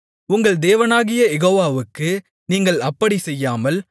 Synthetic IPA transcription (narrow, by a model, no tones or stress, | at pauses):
ʊŋɡɐɭd̪eːʋɐnaːɣɪjɐɛɣoːʋaːʋɯkːɯ | niːŋɡɐɭɐpːɐɽisɛjːaːmɐl